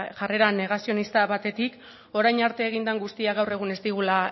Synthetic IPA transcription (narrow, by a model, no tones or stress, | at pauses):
ʝare̞ɾane̞ɣ̞asio̞nist̪aβat̪e̞t̪ik | o̞ɾajɲaɾt̪e̞ːɣ̞ind̪aŋɡust̪iaɣawre̞ɣ̞une̞zd̪iɣ̞ula